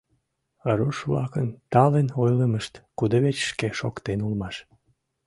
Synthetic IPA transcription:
əɾuʃβlɑ̰kənt̪ɑlenojləməʃt̪kud̪əβet͡ɕʃkeʃo̰kt̪enulmɑʃ

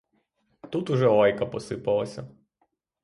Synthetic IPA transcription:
t̪ut̪ʊʒɛɔjkɐpɔsɪpɐlˠɐsʲɐ

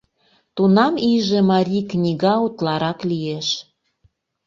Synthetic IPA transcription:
t̪unɑmiʒĕmɑɾʲiknʲiɣɑut̪lɑɾɑklieʃ

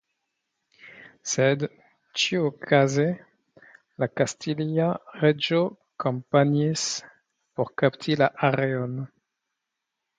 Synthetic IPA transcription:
sed | t͡ʃiokʰaze | lakastʰiliaʁed͡ʒo | kompaɲis | poʁkapt̪ʰilaʔaʁeon

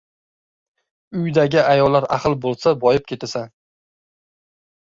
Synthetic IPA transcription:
ʊjd̪aɡʲɪajɒlːaɾa̰qɨlˠbolˠsabɒjɪp̚kʲʰe̞t̪asan

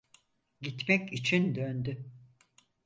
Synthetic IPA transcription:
ɟit̪mɛcit͡ʃʰind̪ønd̪y

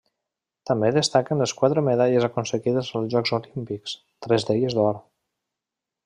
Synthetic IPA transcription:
t̪əmbeðəst̪akənləskwat̪ɾəmeðaʎəzakunsəɣiðəzəlˠzʒɔkzolimpiks | t̪ɾɛzðeʎəzðɔɾ

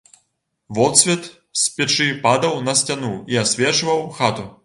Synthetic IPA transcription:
vɔt̪sʲvʲɛt̪ | sʲpʲɛt͡ʂɨpad̪ɐwnɐsʲtʲanuiasʲvʲɛt͡ʂɨvɐwxat̪u

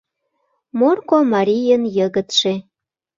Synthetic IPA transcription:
morkomɑɾʲijənjəɣət̪ʃe

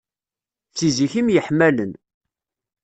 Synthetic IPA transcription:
θiziçimjəħmælən

